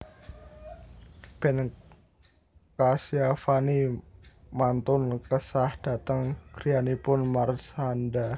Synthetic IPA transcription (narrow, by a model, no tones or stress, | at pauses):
b̥ɛn | kasiafani | mant̪ʊnkəsahd̥a̤t̪əŋkɾianipʊnmarsanda